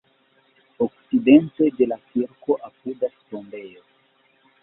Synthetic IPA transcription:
ok̚t͡sidente̞de̞lakiɾko̞ʔapudastonbe̞jo

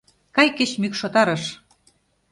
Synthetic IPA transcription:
kɑjkĕt͡ɕmykʃot̪ɑɾɤ̆ʃ

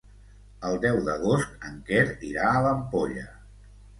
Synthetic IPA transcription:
əlˠd̪ɛwðəɣ̞oskəŋkɛɾiɾaːləmpoʎə

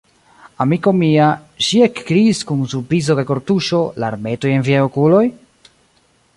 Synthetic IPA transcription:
amiko̞miaʃiekːɾiːskunsupɾizo̞kajko̞ɾtuʃo̞la̰ɾme̞to̞je̞nviajokulo̞j

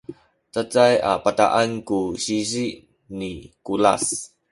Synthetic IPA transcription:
tət͡saja̰pat̪a̰ʔankuɕiziʔ | nikula̰s

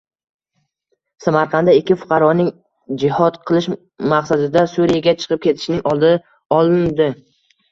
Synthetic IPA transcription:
samaɾqʰɑnd̪aɪkʲːɪfʊ̥qʰɑɾɒnɪŋ | d͡ʒɪhɒt̪qʰɨlˠɪʃ | maqsad̪ɪd̪asuɾijaɡʲat͡ʃʰɨ̥qʰɨp̚kʲe̞t̪ʰɪ̥ʃnɪŋɒlˠd̪ɪ | ɒlˠɪnd̪ɪ

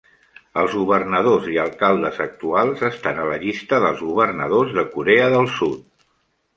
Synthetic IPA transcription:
əlˠzɣuβərnəð̞oziəlˠkalˠd̪əzək̚t̪ualˠzəst̪anələʎist̪əðəlˠzɣuβərnəð̞ozðəkuɾeəðəlˠsut̪̚

